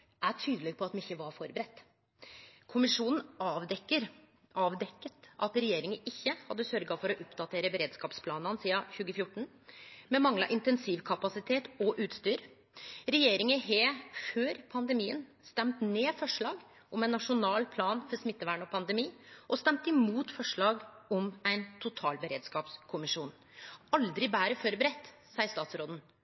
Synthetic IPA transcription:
æʈʰyːd̪əlɛɡ̚pʰɔɑt̪mɛɪçːəʋɑɾfɔɾbəɾɛt̪ː | kʰʊmɪʂuːnən̩ɑːʋd̪ɛkːəɾ | ɑːʋd̪ɛkːət̪ʔɑt̪ɾɛjeːɾɪŋəʔɪçːəhɑd̪ːəsœɾɡɑfɔɾɔʔʊpd̪ɑt̪ʰeːɾəbɛɾeːd̪skɑːpspʰlɑːnɑnsiːɑçʉːɡəfjʊʈːɳ̩ | mɛmɑŋlɑ̰ʔɪnt̪ɛnsiːʋkʰɑpɑsɪt̪ʰeːt̪ɔʔʉːt̪st̪yːɾ | ɾɛjeːɾɪŋəɦeːføːɾpʰɑnd̪ɛmiːən | st̪ɛmt̪neːfɔʂɭɑːɡ | ʔɔmæɪnːɑʂʊnɑːlpʰlɑːnfɔɾsmɪt̪ːəʋæːɳɔpʰɑnd̪ɛmiːʔɔst̪ɛmt̪ɪmuːt̪fɔʂɭɑːɡɔmæɪnt̪ʰʊt̪ʰɑːlbəɾeːd̪skɑːpskʰʊmɪʂuːn | ɑld̪ɾɪbæːɾəfɔɾbəɾɛt̪ː | sɑːɪəʂt̪ɑːt̪sɾoːd̪n̩

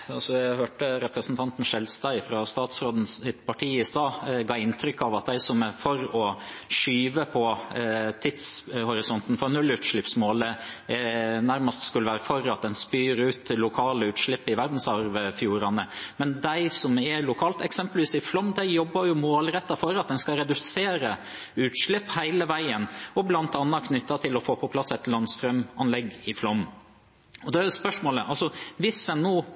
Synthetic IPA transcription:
ɑlsɔæhøːʈəɾɛpɾəsnt̪ʰɑnt̪n̩ʃɛlst̪æɪfɾɑst̪ɑːt̪sɾoːd̪n̩sɪt̪pʰɑʈʰiːɪst̪ɑːɡɑːɪnt̪ʰɾʏkːɑʋɑt̪̚d̪æɪsɔmæfɔɾɔ | ʂyːʋəpʰɔt̪ʰɪd̪shʊɾɪsɔnt̪n̩fɔɾnʉlːʉːt̪ʂɭɪpsmoːlə | næɾməst̪skʉlːəʋæːɾəfɔɾɑt̪̚d̪ɛnspyːɾʉːt̪lʊkʰɑːləʉːt̪ʂɭɪpːɪʋæɾd̪n̩sɑɾʋəfjuːɾɑnəmɛnd̪æɪsɔmɛlʊkʰɑːlt̪ɛksɛmpəlʋiːsɪflɔmd̪æɪjɔbːɑɾjʊmoːlɾɛt̪ːɑfɔɾɑt̪̚d̪ɛnskɑɾɛd̪ʉseːɾə | ʉːt̪ʂɭɪpːhæɪləʋæɪənɔblɑnt̪ɑnːɑkʰnʏt̪ːɑt̪ʰɪlɔfoːpʰɔpʰlɑsːɛt̪lɑnst̪ɾœmɑnlɛɡːɪflɔm | ɔd̪ɛæspœʂmoːləʔɑlsɔʋɪsɛnːoː

